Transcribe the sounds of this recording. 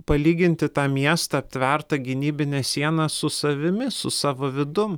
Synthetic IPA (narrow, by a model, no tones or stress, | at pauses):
pɐlʲiːɡʲɪnʲt̪ʲɪt̪ɑːmʲiɛst̪ɐːpʲt̪ʲʋʲɛɾt̪ɐɡʲɪnʲiːbʲɪnʲɛsʲiɛnɑsʊsɐʋʲɪmʲɪsʊsɑːʋoːʋʲɪd̪ʊm